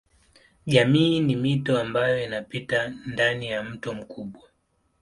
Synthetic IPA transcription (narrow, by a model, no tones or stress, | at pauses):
ʄamiːnimitɔambajɔinapitandanijam̩tɔm̩kuɓwa